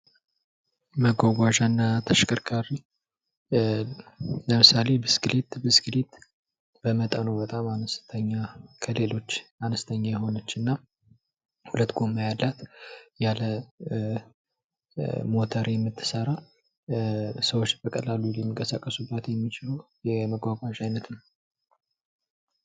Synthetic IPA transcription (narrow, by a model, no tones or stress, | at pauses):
məɡʷaɡʷaʒanːat̪ʰəʃkʰʼəɾkʰaɾi | ləmɨsale̞bɨsɡɨlit̪bɨsɡlit̪ | bəmət̪ʼənobət̪ʼamanəst̪ʰəɲːakʰəle̞lo̞t͡ʃːanəst̪ʰəɲːajɛho̞nət͡ʃːɨnːa | hulət̪ːɡo̞mːajalːat̪jalə | mo̞t̪ʰəɾjɛmːɨt̪ʰːɨ̥səɾa | səwot͡ʃːbəkʼəlalːulɛmːikʼəsakʼːəsubːət̪jɛmːit͡ʃɪləjɛməɡʷaɡʷaʒajnət̪ʰɨn